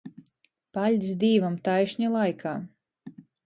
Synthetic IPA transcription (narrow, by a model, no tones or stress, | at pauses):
palʲd̪ʲsd̪iːvamt̪ajʃɲilˠajkʰaː